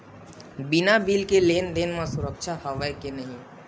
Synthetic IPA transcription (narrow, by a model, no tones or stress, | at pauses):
binabiːlkeleːnd̪eːnmasʊɾəkʃʰahəʋaikenəɦĩ